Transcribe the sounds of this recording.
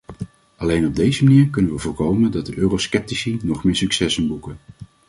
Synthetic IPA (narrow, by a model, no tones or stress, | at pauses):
ʔɑlejnɔb̚dejzəmaniːɹkɵnənʋəvʊːɹkowməndɑt̚dəʔøːroskɛp̚tisinɔχmɪːɹsyksɛsənbukən